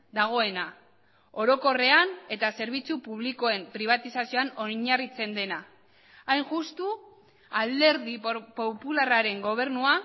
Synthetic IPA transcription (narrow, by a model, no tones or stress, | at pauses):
d̪aɣ̞o̞e̞na | o̞ɾo̞ko̞re̞ane̞t̪ase̞ɾβ̞it͡supuβ̞liko̞e̞mpɾiβ̞at̪isasio̞ano̞ɲarit͡se̞nd̪e̞naː | jŋʝust̪u | ald̪e̞ɾðipopularaɾe̞ŋɡo̞β̞e̞ɾnua